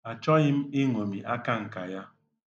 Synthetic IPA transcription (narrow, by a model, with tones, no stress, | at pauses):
a˨t͡ʃɔ˦ɣɪ˦m̩˦i˦ŋʷo˨mi˨ʔa˦ka˦ŋ̩˨ka˨ja˦